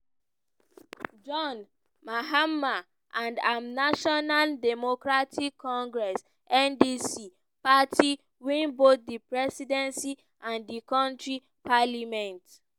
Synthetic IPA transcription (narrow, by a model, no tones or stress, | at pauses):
d͡ʒɔ̃n | maɦama | ʔãndãmnaʃɔnaldɛmokɹatʰikʰːɔ̃ŋɡɹɛs | ʔɛ̃ndisi | patʰi | wĩnbot̪̚dipɹɛsidɛ̃nsi | ãndikɔ̃ntɹi | palimɛ̃nt